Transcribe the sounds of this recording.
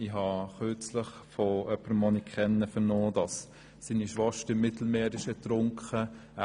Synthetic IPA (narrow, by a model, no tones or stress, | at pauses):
iɦɑχøt͡sləχfoʔœpːəɾmɔnikʰχɛnːəfənɔːdɑs | siːniʃʋɑʃtəɪmːɪt̪l̩meːɾɪʃətɾʊŋkχə